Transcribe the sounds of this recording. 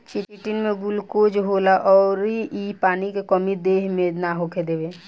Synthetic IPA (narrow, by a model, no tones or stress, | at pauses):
t͡ʃɪʈɪnmẽɡʊlkod͡ʒɦolaʔɔːɾiipaːnikekɔmid̪eːɦmẽnaɦokʰed̪eːʋeː